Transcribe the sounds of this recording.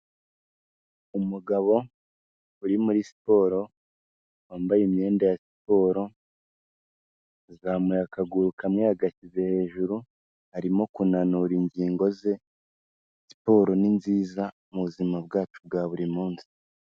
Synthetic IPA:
umuɡaβo̞ | uɾimuɾisi̥po̞ːɾo̞ | waːmbajeme̞ːndajasi̥po̞ːɾo̞ | zamujakaɡuɾukamŋihaɡacize̞he̞ːʒuɾu | haɾimo̞kunanuːɾiɲɟiːŋɡo̞ze̞ | si̥po̞ːɾo̞ninziːza | muβuzimab̚ɡaːt͡ʃub̚ɡaːβuɾimuːnsi̥

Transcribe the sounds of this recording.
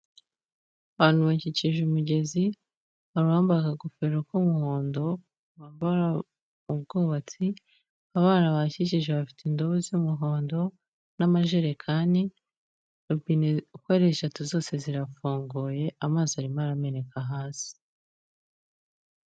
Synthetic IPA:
aβaːn̥uβaɲciciʒumuɟe̞zi | βaɾuwaːmbakaɡufeɾokumuho̞ːndo̞ | βaːmbaɾa | ub̚ɡoːβat͡si | aβaːnaβacic̬iʒeβafi̥tindoβuzumuɦo̞ːndo̞ | namaʒeɾekʰaːndi | uɡiːnekweɾeʃatuzo̞ːse̞ziɾafoːŋɡoje̞ʔamaːzaɾimaɾame̞ɾe̞kʰaɦaːsi̥

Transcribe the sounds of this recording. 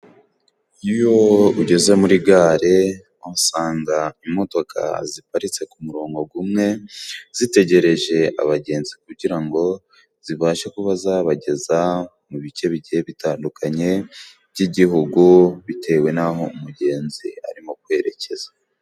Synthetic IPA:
ijo̞uɟe̞ze̞muɾiɡaːɾe̞ | osaːŋɡaimo̞to̞kʰa̰zipaɾit͡se̞kumuɾo̞ːŋɡo̞ɡumŋe̞z̥ite̞ɟe̞ɾe̞ʒe̞a̰βaɟe̞ːnzikuɟiɾaŋɡo̞ | z̥iβaːʃakuβazaːβaɟe̞za | muβice̞βiɟieβitaːndukʰaɲe̞ | βɟiɟihuɡuβitʰe̞we̞naɦo̞umuɟe̞ːnzḭa̰ɾimo̞kwe̞ɾe̞ce̞zḁ

